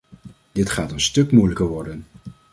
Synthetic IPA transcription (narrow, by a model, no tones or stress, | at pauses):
d̥ɪtχaːtənstɵkmujləkəɹʋɔɹdən